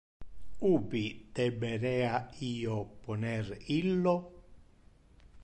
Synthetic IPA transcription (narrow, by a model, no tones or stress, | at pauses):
uːbid̪̥ɛbɛɾɛaiːoponɛɾilːo